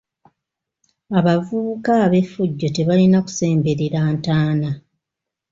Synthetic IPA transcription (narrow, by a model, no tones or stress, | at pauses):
aβavuukaːβe̞fːuɟːo̞te̞βalinaku̥se̞ːmbe̞ɾeɾaːntaːna